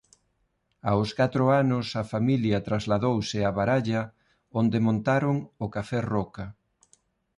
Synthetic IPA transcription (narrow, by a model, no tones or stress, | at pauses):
aʊskat̪ɾʊanʊsɐfamiljɐt̪ɾazlaðowsɪaβaɾaʎɐ | ond̪emõnt̪aɾʊŋʊkafɛrɔkɐ